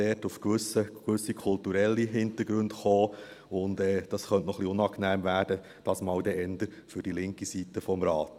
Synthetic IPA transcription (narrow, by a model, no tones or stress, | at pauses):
ɛtufkʋʏsəkʋʏsːikʰʊltuɾɛlːiɦɪntəɾɡ̥ɾʉndχoː | ʊndɛːd̥ɑsχœntnɔχliʊnɑːknæːmvæːɾd̥ə | d̥ɑːsmɑːwdɛʔɛnd̪əɾ | fʏɾd̥ilɪŋkisitːəfɔmɾɑːt